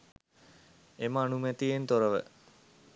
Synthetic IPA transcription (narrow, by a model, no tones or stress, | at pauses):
eməanumɛt̪ijent̪oɾəʋə̰